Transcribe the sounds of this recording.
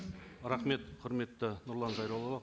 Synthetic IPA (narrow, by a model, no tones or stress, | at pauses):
ɾɑχme̞t̪qʰʊɾme̞t̪ːɪnʊɾlˠɑnzɑjɾɑwlˠɑlˠɑ